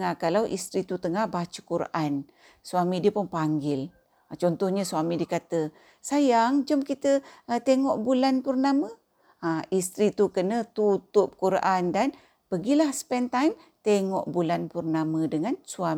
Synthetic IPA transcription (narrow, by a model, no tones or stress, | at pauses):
ŋahkalawʔḭst̪ɾit̪ut̪əŋahbat͡ʃukuɾa̰ʔan | swamidiəpʊnpaŋɡɪl | at͡ʃɔnt̪ɔhɲəsuamidikat̪ə | sajaŋd͡ʒəmkit̪ət̪eŋɔʔbulanpərnamə | aist̪ɾit̪ukənət̪ut̪ʊp̚kuɾa̰ʔandan | pəɡilahspɛnt̪ajm | t̪eŋɔʔbulanpərnamədəŋansua